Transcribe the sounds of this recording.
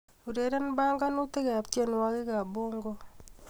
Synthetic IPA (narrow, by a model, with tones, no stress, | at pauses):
u˨ɾe˨˦ɾe˦n˦ba˦ŋɡa˦no˦te˦ka˨tje˦nwa˦ɣɪ˦ka˨bo˦ŋɡo˦